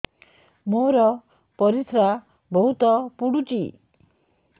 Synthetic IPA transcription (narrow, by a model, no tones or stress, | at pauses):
moɾɔ | pɔɾisɾa | bɔɦut̪ɔpuɽut͡ʃḭ